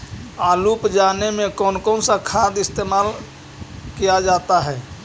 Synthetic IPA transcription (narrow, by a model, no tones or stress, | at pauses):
aːluːpd͡ʒaːnemẽkɔːnkɔːnsakʰaːd̪ɪst̪eːmaːl | kijad͡ʒaːt̪aɦɛː